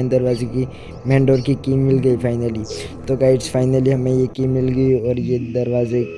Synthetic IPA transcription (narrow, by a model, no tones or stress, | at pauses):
nd̪ɐɾʋaːzeki | mɛ̃ːɳɖoːɾkikiːmːɪlɡəipʰaːɪnəli | t̪oɡaːɪʈsfʰaːɪnəliɦɐmẽjekiːmːɪlɡəiɔːɾjed̪ɐɾʋaːze